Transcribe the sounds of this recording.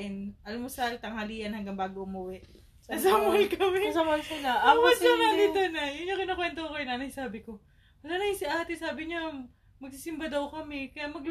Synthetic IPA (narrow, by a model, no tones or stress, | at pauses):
ʔɪnʔɐlmosɐlt̪ɐŋhɐliːʔɐnhɐŋɡɐŋbaːɡoʔʊmʊwɛʔ | ɐsamʊlkɐmɛsɐmɐnsɪlaɐɐsonɐd̪iːt̪onɐjʊnɲoŋkɪnokwɛnt̪ookɐjʊnanɐjsaːbɪko̞ | wɐlanɐɪsɪahɐt̪ɪsaːbɪɲɐ | mɐɡ̚sisɪmbad̪ɐwkɐmɛkɐjaʔmɐɡl